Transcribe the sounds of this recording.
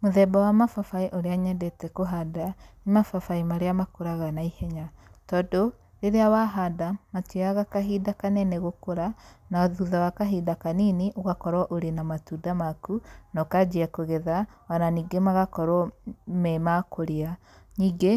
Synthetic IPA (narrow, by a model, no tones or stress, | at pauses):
moðɛbawamafafaiʔoɾeaɲɛndɛtɛkoɦadanimafafaimaɾeamakoɾaɣanaihɛɲatɔːdo | ɾeɾeawaɦadamatwiaɣakaɦiːdakanɛnɛɣokoɾanaɔðuðawakaɦiːdakanineʔoɣakɔɾɔʔoɾenamatudamakunɔkad͡ʒiakoɣɛðawananiːɡemaɣakɔɾɔmɛmakoɾea | ɲiːɡe